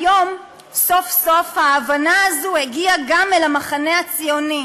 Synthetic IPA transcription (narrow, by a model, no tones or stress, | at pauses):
jo̞m | so̞fso̞fhaːvanaːzuheɡiaɡamelamaχane̞hat͡sijoni